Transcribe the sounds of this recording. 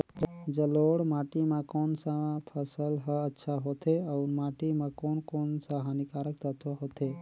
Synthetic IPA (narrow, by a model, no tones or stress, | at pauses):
d͡ʒəloːɽmaːʈimãkoːnsapʰəsəlɦəətːʃʰaɦot̪eɔːɾmaːʈimãkoːnkoːnsaɦanikaːɾək̚t̪ət̪ʰaɦot̪e